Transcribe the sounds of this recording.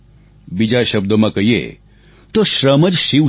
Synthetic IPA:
bid͡ʒaʃɐb̚d̪əmãkəɦjḛ | t̪oʃɾəməd͡ʒʃiw

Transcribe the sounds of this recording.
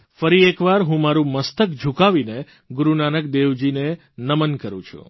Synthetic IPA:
fəɾiekʋaɾɦũmaɾũməst̪əkd͡ʒʱukaʋine | ɡʊɾunanək̚d̪eʋd͡ʒine | nəmənkəɾṵ̃t͡ʃʰṵ̃

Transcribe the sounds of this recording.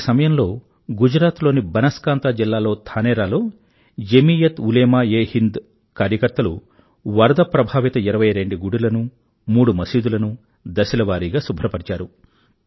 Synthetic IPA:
sɐmɐjɐmlo̞ː | ɡud͡ʒɾaːt̪lo̞ːnibɐnɐskaːnt̪aːd͡ʒilːaːlo̞ːt̪ʰaːnɛːɾaːlo̞ː | jemiːjɐt̪uleːmaːeːhind̪ | kaːɾjɐkɐɾt̪ɐlu | ʋɐɾɐd̪ɐpɾɐbʱaːʋit̪ɐiɾɐʋɐjɾe̞ɳɖiɡuɽilɐnu | muːɽumɐsiːd̪ulɐnu | d̪ɐsilɐʋaːɾiːɡaːsubʱɾɐpɐɽit͡ʃaːɾu

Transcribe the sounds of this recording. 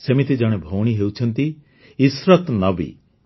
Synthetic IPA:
semit̪id͡ʒɔɽ̃ebʱowɽ̃iɦewt͡ʃʰɔnt̪iː | sɾɔt̪nɔbḭ

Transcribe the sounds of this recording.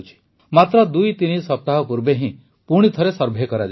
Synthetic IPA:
t͡ʃʰi̥ | mat̪ɾɔd̪ujt̪inisɔp̚t̪aɦɔpuɾbeɦĩ | puɽ̃it̪ʰɔɾesɔɾbʱekɔɾad͡ʒ

